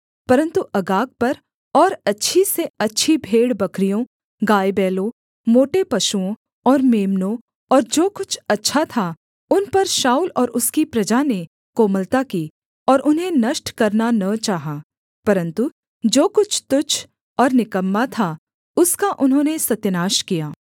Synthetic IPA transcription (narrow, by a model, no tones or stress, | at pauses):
pɐɾə̃nt̪uʔɐɡaːk̚pɐɾ | ɔːɾɐtːʃʰiseɐtːʃʰibʱeːɽbɐkʰɾijõ | ɡaːjbɛːlõ | moːʈepɐʃuõ | ɔːɾmeːmnõ | ɔːɾd͡ʒoːkʊt͡ʃʰɐtːʃʰat̪ʰa | ʊnpɐɾʃaːulɔːɾʊskipɾɐd͡ʒane | koːməlt̪akiː | ɔːɾʔʊnɦẽnɐʃʈkɐɾnanɐt͡ʃaːɦaː | pɐɾə̃nt̪u | d͡ʒoːkʊt͡ʃʰt̪ʊt͡ʃʰ | ɔːɾnɪkəmːat̪ʰa | ʊskaʔʊnɦõːnesɐt̪jnaːʃkijaː